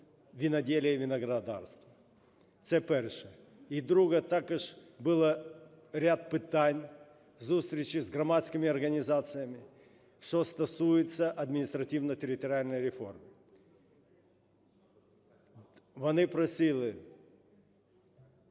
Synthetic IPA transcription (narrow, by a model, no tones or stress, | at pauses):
vʲɪnɐdʲelʲɪjəvʲɪnɐɡɾɐd̪a̰rst̪və | t̪sɛpɛrʂɨ | id̪ɾuɡət̪akɨʂbɨlˠə | ɾʲat̪̚pɨt̪anʲ | zust̪ɾʲɪt͡ɕɪzɡɾɐmat̪skʲɪmʲɪɐrɡənʲɪzat̪sɨjəmʲɪ | ʂt̪ost̪ɐsujɪt̪səʔɐd̪mʲɪnʲɪst̪ɾɐtʲivnətʲɪɾʲɪt̪əɾʲɪalʲnəjɾʲɪfo̞rmɪ | vɐnɨpɾɐsʲilʲˠɪ